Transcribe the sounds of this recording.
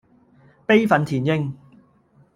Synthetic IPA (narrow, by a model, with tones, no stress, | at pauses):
pe˥jfɐ˨˥nt̪ʰiː˨˩njɪ˥ŋ